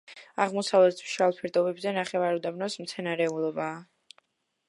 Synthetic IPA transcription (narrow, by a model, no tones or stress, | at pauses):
aʁmɔsavlɛt̪ʰʃalˠpʰɛɾt̪ʼɔbɛbzɛnaχɛvaɾɔd̪abnɔsmt̪sʰɛnaɾɛulˠɔbaː